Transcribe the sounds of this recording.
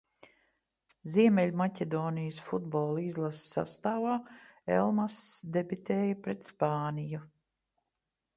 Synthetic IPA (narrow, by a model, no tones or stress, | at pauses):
ziɛmɛlʲmacʲɛd̪oːnijəsfud̪bɔːlˠizlˠasa̰st̪aːvaːḛlˠmasd̪ebit̪eːjapɾɛt̪spaːniju